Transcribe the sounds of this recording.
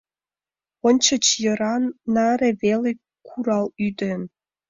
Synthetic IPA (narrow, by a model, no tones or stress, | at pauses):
onʲt͡ɕə̆t͡ɕjə̆ɾɑnːɑɾeβele | kʰuɾɑlyd̪en